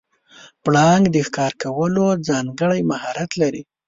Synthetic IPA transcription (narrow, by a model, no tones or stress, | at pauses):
pɽɑŋɡd̪əxkɑɾkawəlod͡zɑŋɡəɽajmahɑɾat̪laɾi